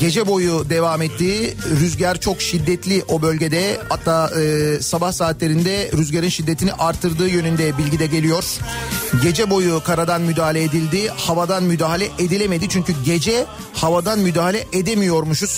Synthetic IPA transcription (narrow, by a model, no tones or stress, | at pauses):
ɟe̞d͡ʒɛbo̞jud̪e̞vaːmɛt̪ʰːiːɾyzɟæɾt͡ʃʰo̞kʃid̪ːɛt̪ʰlʲiʔo̞bølʲɟe̞d̪ɛhat̪ʰːaːɯːsabahsaːt̪lʲe̞ɾind̪ɛɾyzɟeɾinʃid̪ːet̪ʰiniʔaɾt̪ʰːɯɾd̪ɯːjø̞nynd̪ɛbilʲɟid̪ɛɟe̞lʲijo̞ɾ̥ɟe̞d͡ʒɛbo̞jukʰaɾad̪anmyd̪aːɦalʲɛed̪ilʲd̪ihavad̪anmyd̪aːɦalʲɛʔed̪ilʲeme̞d̪it͡ʃʰyɲcyɟe̞d͡ʒɛ | havad̪anmyd̪aːɦalʲɛʔed̪emijo̞ɾmuʃuz̥